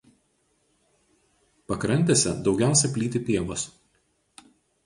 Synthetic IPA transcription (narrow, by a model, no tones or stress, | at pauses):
pɐkɾɐnʲt̪ʲesʲɛ̰d̪ɒʊɡʲæˑʊsʲɛpʲlʲiːt̪ʲɪpʲiɛʋos